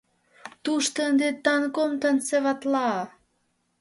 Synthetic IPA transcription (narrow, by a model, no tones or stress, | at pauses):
t̪uʃt̪ənd̪et̪ɑnkomt̪ənseβɑt̪lɑ